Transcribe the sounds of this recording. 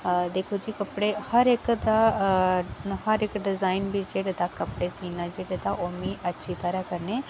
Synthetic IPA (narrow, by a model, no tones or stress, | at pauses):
d̪eːkʰod͡ʒiːkɐpɽehɐɾekd̪a | hɐɾekɖɪzaːinbʱid͡ʒeɽed̪akɐpɽesiːnad͡ʒeːɽed̪aʔomiʔɐtːʃʰit̪ɐɾakɐɾne